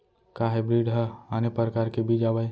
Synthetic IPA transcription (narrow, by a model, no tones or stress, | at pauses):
kaːɦebɾiːɖɦəanepəɾkaːɾkebʱid͡ʒaːʋaj